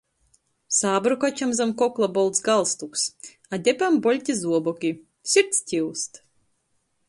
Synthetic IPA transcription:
saːbɾukat͡ɕamzamkɔklˠabɔlˠt̪sɡalˠst̪uks | ad̪ʲɛpambɔlʲt̪ʲizuɔbɔkʲi | sʲiɾt̪sʲtʲiwst̪

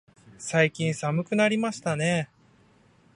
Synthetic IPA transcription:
saikʲĩɰ̃samɯ̟kɯ̟naɾʲimaɕi̥t̪ane̞

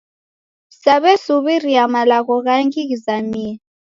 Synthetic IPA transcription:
saβɛsuβiriamalaɣɔɣaŋkiɣizamiɛ

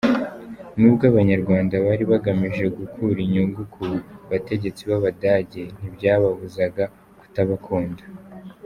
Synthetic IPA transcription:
nubɡaβaɲaɾɡwaːndaβaɾiβaɡamiʒe̞ɡukʰuɾiɲuŋɡukʰuβate̞ɟe̞t͡siβaβadaːɟe̞n̥ibɟaːβaβuzaɡa | ku̥taβakʰoːndḁ

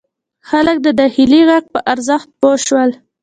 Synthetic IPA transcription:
xalək̚d̪əd̪ɑxiliɣak̚pəʔaɾzaxt̪̚boʃwəl

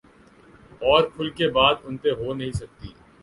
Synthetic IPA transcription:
ɔːɾkʰʊlkebaːd̪ʊnt̪eɦonɐɦĩsɐk̚t̪ḭː

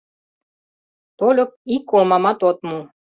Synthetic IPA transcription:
t̪olʲok̚ikomamat̪ot̪mu

